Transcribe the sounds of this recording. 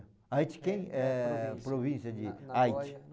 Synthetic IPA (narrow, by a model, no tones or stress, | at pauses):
ajt͡ʃɪ̥kẽj̃ɛpɾovĩsjɐd͡ʒɪajt͡ʃ